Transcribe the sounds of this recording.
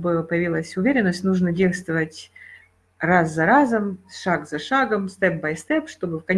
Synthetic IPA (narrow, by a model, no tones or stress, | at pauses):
bɨpəjɪvʲilˠəsʲʊvʲeɾʲɪnːəsʲtʲnuʐnədʲejst̪vəvətʲ | ɾasːɐɾazəmʂaɡzɐʂaɡəmst̪ɛp̚bajst̪ɛpʂt̪o̞bɨfkɐnʲ